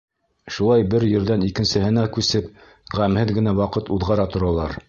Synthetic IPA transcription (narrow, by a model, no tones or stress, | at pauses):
ʃulˠɑjbɘɾjɘ̆ɾðænikɘ̆nsɘ̆hɘ̆nækʉsɘp | ʁæmhɘðɡɘ̆næwɑqɤt̪uðʁɑɾɑt̪ŏɾɑlˠɑɾ